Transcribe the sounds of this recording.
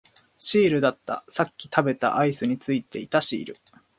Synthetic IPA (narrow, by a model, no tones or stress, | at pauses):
ɕiːɾɯ̟d̪at̪ːa̰sakʲːi̥t̪ʰabe̞t̪a̰ʔaisɨɲ̟it͡sɨit̪e̞it̪aɕḭːɾɯ̟